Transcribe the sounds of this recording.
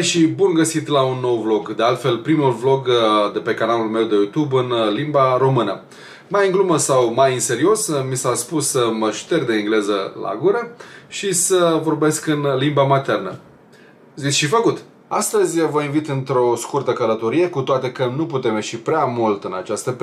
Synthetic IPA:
eʃibunɡəsit̪launːo̞wvlo̞ɡd̪e̞alt̪fe̞lpɾimulvlo̞ɡd̪e̞pe̞kanalulme̞wd̪e̞jut̪ubɨnlimbaɾo̞mɨnə | majɨŋɡluməsawmajɨnse̞ɾio̞smisaspusəməʃt̪e̞rd̪eiŋɡle̞zəla̰ɡuɾəʃisəvo̞rbe̞skɨnlimbamat̪e̞rnə | zit̪sʲʃifəkut̪ | ast̪əzʲvəinvit̪ɨnt̪ɾo̞skurt̪əkələt̪o̞ɾije̞kut̪oat̪e̞kənuput̪e̞me̞ʃipɾeamult̪ɨnat͡ʃast̪əp

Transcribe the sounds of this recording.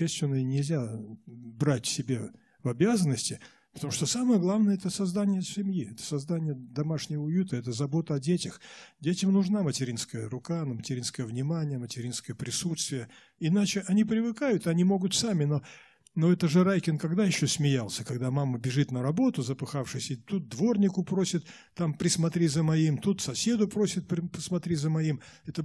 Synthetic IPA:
esʲt̪ʲvʲɪnənʲɪlʲzʲa | bɾatʲsʲɪbʲe̞ | vɐbʲazənːəsʲtʲɪ | pə̥t̪ɐmuʂt̪osaməjəɡlˠavnəjəɛt̪əsɐzd̪anʲɪjəsʲɪmjiɛt̪ə̥sɐzd̪anʲɪjəd̪ɐmaʂnʲɪvəʊjut̪əɛt̪̬əzɐbo̞t̪əɐdʲetʲɪxdʲetʲɪmnʊʐnamətʲɪɾʲinskəjəɾʊkanəmətʲɪɾʲinskəjəvnʲɪmanʲɪjəmətʲɪɾʲinskəjəpɾʲɪsut̪st̪vʲɪjə | ɪnat͡ɕɪʔɐnʲipɾʲɪvɨkajʊt̪ɐnʲimo̞ɡʊt̪samʲɪno̞ | no̞ɛt̪əʐɨɾajkʲɪnkɐɡd̪ajɪɕːosʲmʲɪjalˠsʲəkɐɡd̪amaməbʲɪʐɨt̪nəɾɐbo̞t̪ʊzəpɨxafʂɨsʲɪt̪ut̪̚d̪vo̞rnʲɪkʊpɾo̞sʲɪt̪ː | ampɾʲɪsmɐt̪ɾʲizəmɐimt̪ut̪sɐsʲe̞d̪ʊpɾo̞sʲɪt̪̚pʲɪpə̥smɐt̪ɾʲizəmɐimɛt̪ə

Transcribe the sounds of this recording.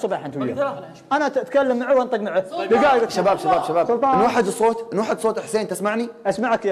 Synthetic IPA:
sˤɑbɑːħɪnt̪wija̰ | ʔanat̪kalːamːaʕawʔant̪ˤɨqmaʕalɪɡaːjɾaʃabaːbʃabaːbʃabaːsʊlt̪ˤɑɪnwaːħɪd̪sˤːoːt̪ɪnːwaːħɪd̪sˤoːt̪ˤɪħseːnt̪ɪsmaʕniʔasmaʕkː

